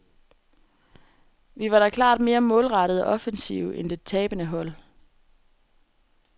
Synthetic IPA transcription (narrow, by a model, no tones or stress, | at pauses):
ʋiʋɑ̈ɾ̥ɑkʰlɑ̰̈ːd̥me̝ːɐmɔ̽ːlʁɑ̈ɾ̥ð̞̩ˠɒ̽ʔɒ̽fənsḭʊʔend̥e̝t͡sʰɛːb̥ənəɦɒ̽l̰